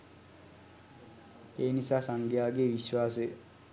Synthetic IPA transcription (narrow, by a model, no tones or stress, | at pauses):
eːnisaːsaŋɡjaːɡeːʋiʃwaːs̬e